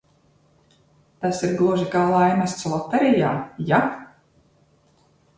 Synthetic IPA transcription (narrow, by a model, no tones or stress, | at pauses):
t̪asiɾɡlˠuɔʒikaːlˠajmæst̪slˠɔt̪ːɛɾijaːja